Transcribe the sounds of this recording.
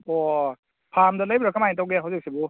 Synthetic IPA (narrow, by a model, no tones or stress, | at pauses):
ɔ | pʰamdalajbɾakʰamajintawɡeɦawzɯk̚sibu